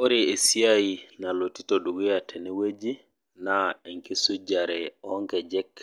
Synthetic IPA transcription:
oɾiesiajinalotitoɗuɡijatʰɛnɛwed͡ʒi | naeŋkisud͡ʒaɾɛɔŋkɛd͡ʒɛkː

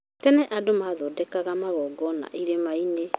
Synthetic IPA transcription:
tɛnɛʔadomaːðɔdɛkaɣamaɣɔːɡɔna̰ʔiɾemaine

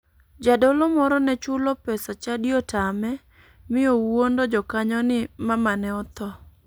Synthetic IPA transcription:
d͡ʒadolɔmɔɾɔnɛt͡ʃʊlɔpɛsat͡ʃadjɔtamɛ | mɪowwondɔd͡ʒɔkaɲɔnɪmamanɛɔt̪ɔ

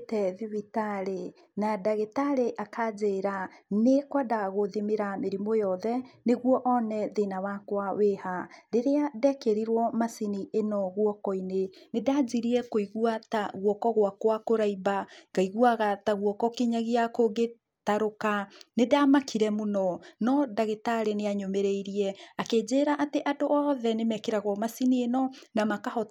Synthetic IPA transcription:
tɛðiβitaɾe | nadaɣetaɾeʔakʰad͡ʑeɾanekwadaɣoðimeɾameɾimojɔðɛneɣwɔʔɔnɛðenawakwawehaɾeɾeadɛkeɾiɾwɔmasiniʔenɔɣwɔkɔinenedad͡ʑiɾiɛkoiɣwataɣwɔkɔɣowakwakoɾaibaɡ̥aiɣwaɣataɣwɔkɔkiɲaɣeakoɡe | taɾokanedamakʰiɾɛmonɔnɔdaɣetaɾeneaɲomeɾɛiɾiɛaked͡ʑeːɾaʔateʔadoʔɔðɛnemɛkeɾaɣwɔmasinienɔnamakahɔ

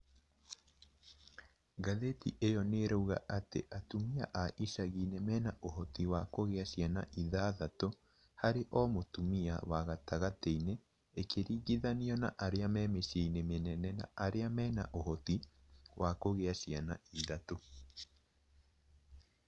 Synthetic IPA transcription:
ɡaðetḭʔejɔneɾouɣa̰ʔatḛʔatumia̰ʔaʔiʃaɣiːnemɛːnaʔohɔtiwakoɣeaɕjana̰ʔiðaːðato | haɾeʔɔmotumia̰waɣataɣateineː | kʰeɾiːɣiðaniɔna̰ʔaɾeamɛːmeʃjeinemenɛnɛna̰ʔaɾeamɛːna̰ʔohɔti | wʔakoɣeaʃjanaiðato

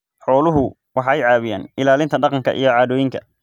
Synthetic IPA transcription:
ħɔːlʊɦʊ | wɑħɛjʕɑːβɪja̰ːnɪlaːlɪnt̪ʰɐɖɑqɑŋkʰɐ̰ʔḭjɞʕɑːðɔːjɪŋkʰɐ̰

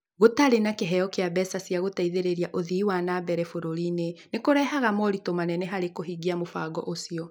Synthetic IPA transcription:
ɣotaɾenakeɦɛjɔkeabɛsasjaɣotaiðeɾeɾiaʔoðiwanabɛɾɛfoɾoɾinenekoɾɛɦaɣamɔɾitomanɛnɛɦaɾekoɦiɡiamofaɡɔ̰ʔosiɔ

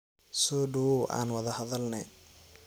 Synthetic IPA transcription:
sɔːɖʊwɔʔa̰ːnwɐðɐhɐðɐlnɛ̰

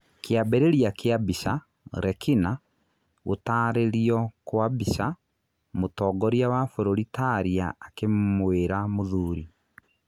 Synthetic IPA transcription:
kjabeɾeɾjakeabiʃa | ɾɛkina | ɣotaːɾeɾiɔkwabisa | motɔːɡɔɾjawafoɾoɾitaɾiaːkemweːɾamoðuːɾi

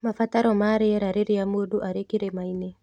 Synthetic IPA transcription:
mafataɾɔmaɾɪɛɾaɾeɾiamoduʔaɾekiɾemaine

